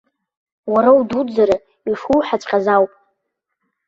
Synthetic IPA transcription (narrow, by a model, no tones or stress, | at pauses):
waɾawdud͡zaɾa | iʂuwħat͡ʃʷʼqʼazawpʼ